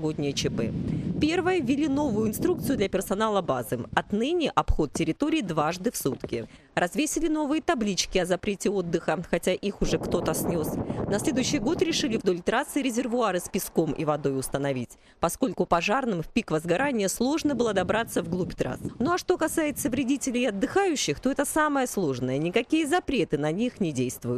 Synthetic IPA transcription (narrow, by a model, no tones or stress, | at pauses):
ɡodʲnʲɪjət͡ɕɪpɛ̰pʲe̞rvəjəvʲɪlʲino̞vʊjʊɪnst̪ɾukt̪sɨjʊd̪lʲɐpʲɪrsɐnalˠəbazɨɐt̪nɨnʲɪʔɐpxo̞t̪̚tʲɪɾʲɪt̪o̞ɾʲɪːd̪vaʐd̪ɨfsut̪kʲɪ̰ | rʔɐzvʲesʲɪlʲɪn̪o̞vɨjət̪ɐblʲit͡ɕkʲɪɐzɐpɾʲetʲɪo̞d̪ːɨxəxɐtʲaʔixʊʐɛkt̪o̞t̪əsnʲo̞snɐsʲlʲe̞d̪ʊjʏɕːɪjɡo̞t̪ɾʲɪʂɨlʲɪvd̪o̞lʲt̪ɾat̪sɨɾʲɪzʲɪrvʊaɾɨspʲɪsko̞mʔḭvɐd̪o̞jʊst̪ənɐvʲitʲ | pɐsko̞lʲkʊpɐʐarnɨmfʲpʲikvəzɡɐɾanʲɪjəslˠo̞ʐnəbɨlˠəd̪ɐbɾat̪səvɡlˠupʲt̪ɾa̰snoɐʂt̪o̞kɐsajɪt̪səvɾʲɪdʲitʲɪlʲɪjɐd̪ːɨxajʉɕːɪxt̪o̞ɛt̪əsaməjəslˠo̞ʐnəjənʲɪkɐkʲijəzɐpɾʲe̞t̪ɨnɐnʲixnʲɪdʲejst̪vʊjʊt̪